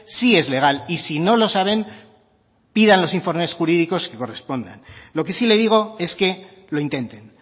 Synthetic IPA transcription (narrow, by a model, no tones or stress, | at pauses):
sie̞zle̞ɣ̞alisino̞lo̞saβ̞e̞m | pið̞anlo̞siɱfo̞ɾme̞sxuɾiðiko̞ske̞ko̞re̞spo̞nd̪a̰nlo̞ke̞sile̞ðiɣ̞o̞e̞ske̞ | lo̞int̪e̞nt̪e̞n